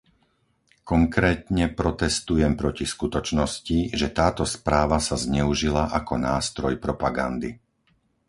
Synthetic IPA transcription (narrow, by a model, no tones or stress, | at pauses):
kɔŋkɾɛːt̪ɲɛpɾɔt̪ɛst̪ujɛmpɾɔciskut̪ɔt͡ʃnɔsciʒɛt̪aːt̪ɔspɾaːʋasazɲɛuʒilaʔakɔnaːst̪ɾɔjpɾɔpaɡa̰nd̪i